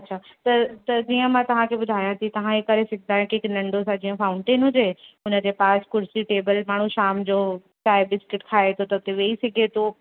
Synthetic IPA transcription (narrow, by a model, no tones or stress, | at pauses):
ɐtːɕʰaːt̪ɐt̪ɐd͡ʑiːə̃mãt̪ɐʋ̤ãkʰebʊd̪ʱaːjãt̪ʰit̪ɐʋ̤ãɦekɐɾesɐɡʱnd̪aːjõkiɪknɐ̃ɳɖosãd͡ʑiːə̃faːʊ̃ɳʈeːnɦʊ̃d͡ʑeʊnə̆d͡ʑepaːskʊɾsiʈeːbəlmaːɳ̤ũʃaːmd͡ʑoː | t͡ɕaːebɪskɪʈkʰaːet̪ʰot̪ɐʊt̪eʋeːisɐɡʱet̪ʰo